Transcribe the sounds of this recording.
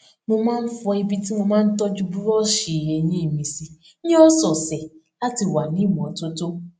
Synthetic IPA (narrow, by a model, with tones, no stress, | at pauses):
mo˧mãː˦n̩˦fɔ˧i˦bi˦ti˦mo˧mãː˦n̩˦tɔ˦d͡ʒu˦bu˦ɾɔ˦ʃi˨je˨˦ɲe˦i˨mĩ˨si˦ | ɲe˦ɔ˦sɔ˨se˨ | a˦ti˨wa˨nĩ˦˨m˨ɔ˨to˦to˦